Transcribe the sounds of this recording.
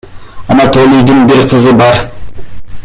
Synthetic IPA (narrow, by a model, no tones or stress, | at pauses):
ɑnat̪olʲijd̪ɪŋbɪɾqʰəzəbɑɾ